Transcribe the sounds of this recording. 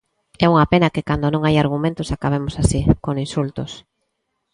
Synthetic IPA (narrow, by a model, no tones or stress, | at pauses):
ɛuŋɐpenɐkɪkand̪onõŋajaɾɣ̞umẽnt̪ʊsakaβemosasikoŋinsult̪os